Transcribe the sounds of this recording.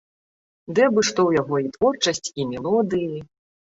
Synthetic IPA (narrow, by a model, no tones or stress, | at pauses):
d̪ɛbɨʂt̪ɔwjaɣɔit̪vɔrt͡ʂɐsʲt͡sʲimʲɛlˠɔd̪ɨji